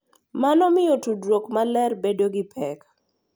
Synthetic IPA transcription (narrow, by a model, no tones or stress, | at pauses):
manɔmɪjotudwokmalɛrbedoɡɪpʰɛk